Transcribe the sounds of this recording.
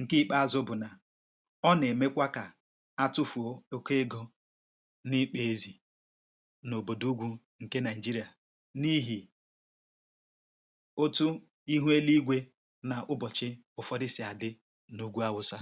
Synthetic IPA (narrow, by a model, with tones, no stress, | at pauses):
ŋ̩˨ki˦k͡pa˦a˨zʊ˦bʊ˨na˨ | ɔ˦ne˨me˦kʷa˦ka˨ | a˦tʊ˦fu˨o˦o˦ke˦e˦ɡo˦ | nɪ˦k͡pe˨e˦zi˨ | no˨bo˨du˦ɡʷu˦ | ŋ̩˨ke˦na˨ɪ˨d͡ʒi˦ɾi˨a˨ | ni˦ɦi˨ | o˦tu˦ | i˦ɦu˦e˦li˦ɡʷe˦ | na˨ʔʊ˦bɔ˨t͡ʃɪ˦ | ʊ˨fɔ˦ɾɪ˦si˨˦a˨dɪ˦ | nu˦ɡʷu˦a˦wʊ˦sa˦